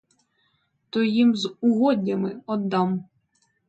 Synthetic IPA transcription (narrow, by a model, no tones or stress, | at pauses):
t̪ɔjimzʊɦɔdʲnʲɐmɪɔd̪ːɑm